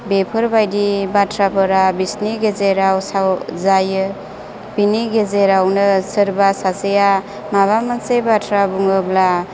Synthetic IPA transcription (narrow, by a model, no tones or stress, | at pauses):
bepʰɯɾbajdibatʰɾapʰɯɾabisniɡezeɾawsawzajɯ | b̥iniɡezeɾawnɯsɯɾbasaseja | maβamansebatʰɾabuŋɯbla